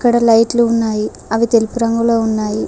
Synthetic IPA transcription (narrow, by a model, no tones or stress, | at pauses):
kːɐɽɐlɐjʈːilunːaːji | ɐʋit̪elpuɾɐŋɡuɭounːaːji